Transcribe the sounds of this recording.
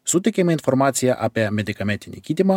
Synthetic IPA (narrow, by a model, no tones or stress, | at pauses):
sut̪ʲekʲemʲeinformat̪sijaʔapeamʲed̪ʲikamʲenʲt̪ʲinʲekʲit̪ʲima